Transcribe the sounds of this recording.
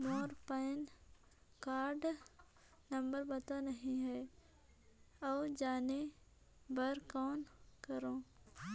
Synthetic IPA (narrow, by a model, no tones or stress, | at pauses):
mɔːɾpɛn | kaːɾɖ | nɐ̃mbəɾbɐt̪anɐɦĩɦɛː | ɔːd͡ʒaːne | bəɾkɔːnkəɾõː